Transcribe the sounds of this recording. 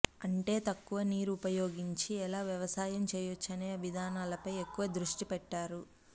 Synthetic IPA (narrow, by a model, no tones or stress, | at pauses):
ɐɳʈe̞ːt̪ɐkːuʋɐniːɾuupɐjo̞ːɡiɲt͡ʃiɛlaːʋjɐʋɐsaːjɐmt͡ʃɛːjɐt͡ʃːɐneːɐʋid̪ʱaːnaːlɐpɐjekːuʋɐd̪ɾuʂʈipɛʈːaːɾu